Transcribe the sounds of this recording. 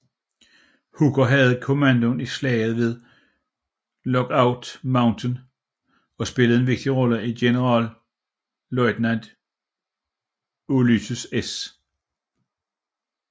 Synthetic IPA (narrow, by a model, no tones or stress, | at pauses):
huɡ̥ɐɦæð̞̩ˠkʰo̝mænd̥onislɛ̰ːð̞̩ˠʋe̝ð̞ˠ | lɒ̽ɡ̥ɑ̈ʊd̥mɑ̈ʊnt͡sʰən | ɒ̽sb̥e̝ləð̞̩ˠe̝nʋe̝ɡ̥̚d̥iʁɒ̽ləiɡ̥e̝nəʁɑ̰̈ːl | lɔɪd̥nænd̥ | olysʰuses